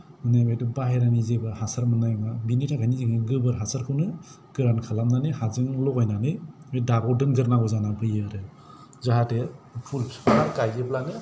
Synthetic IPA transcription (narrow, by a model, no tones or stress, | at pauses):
mɯnajbajtubaɦeɾanizebɯhasaɾmɯnajmabinitʰakʰaniziŋɯɡɯbɯɾɦasaɾkʰɯwnɯ | ɡ̥ɯɾankʰalamnanɯhazɯŋlɔɡajnanɯj | edabɔdɯnɡɯɾnaɡɔzanapʰɯjɯɾɯ | zaɦatepʰulpʰspʰalakajɡeblanɯ